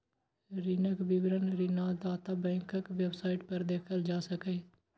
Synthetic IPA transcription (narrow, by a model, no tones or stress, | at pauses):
ɾiːnəkbiʋɾənɾiːnaːd̪aːt̪aːbɛ̃ːŋkəkʋɛbsaːɪʈpəɾd̪eːkʰəld͡ʒaːsəkeː